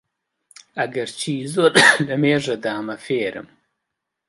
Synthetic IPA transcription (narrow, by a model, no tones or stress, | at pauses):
ɐɡɐɾt͡ʃʰiːzoɾlɐmeːʐɐd̪aːmɐfeːɾɨ̰m